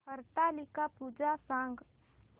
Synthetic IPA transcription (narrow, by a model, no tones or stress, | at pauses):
əɾt̪alɪkapuːd͡ʒasãŋɡ